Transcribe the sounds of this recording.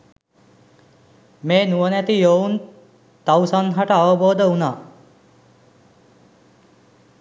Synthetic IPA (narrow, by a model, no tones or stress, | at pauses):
meːnuənæt̪ijown | t̪awsanɦaʈəːʋəboːd̪əuna